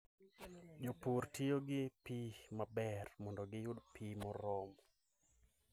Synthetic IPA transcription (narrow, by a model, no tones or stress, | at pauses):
d͡ʒopuɾtʰijoɡɪpimabɛrmɔndɔɡɪjʊdpʰimɔɾɔm